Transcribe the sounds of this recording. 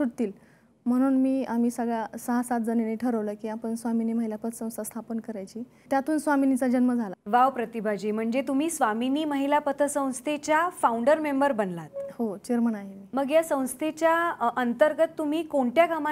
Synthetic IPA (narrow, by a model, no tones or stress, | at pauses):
suɽt̪iːl | m̤əɽ̃uːnmiːam̤iːsəɡɭasəɦasat̪̚d͡zəneneʈʰəɾəʋləːkiːapəɳsʋaminiːməɦilapət̪sə̃w̃st̪əst̪ʰapənkəɾajt͡ɕiː | t̪jat̪ʰuːnsʋaminit͡sad͡ʑənməd͡zʱalaʋawpɾət̪ibʱad͡ʑiːm̤əɳd͡zet̪um̤iːsʋaminiːməɦilapət̪ʰəsə̃w̃st̪ʰet͡ɕjafauɳɖəɾmembəɾbənlat̪hot͡ɕeɾməɳaɦemiːməɡjasə̃w̃st̪ʰet͡ɕjaənt̪əɾɡət̪ːum̤iːkoɳʈ̪jaɡama